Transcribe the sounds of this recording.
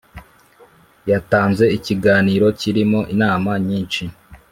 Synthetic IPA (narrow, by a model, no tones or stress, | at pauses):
jataːnze̞iciɡaːniːɾo̞ciɾimo̞ʔinaːmaɲiːnt͡ʃi